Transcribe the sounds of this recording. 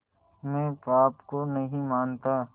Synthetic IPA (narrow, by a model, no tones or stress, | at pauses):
mɛ̃ːpaːpkonɐɦĩmaːnt̪aː